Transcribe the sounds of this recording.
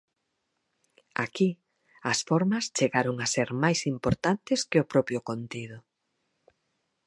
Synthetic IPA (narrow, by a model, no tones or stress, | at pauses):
a̰ki | ɐsfɔɾmɐst͡ʃeɣaɾoŋaseɾmajsimpoɾt̪ant̪ɪskɪʊpɾɔpɾjʊkont̪ið̞ʊ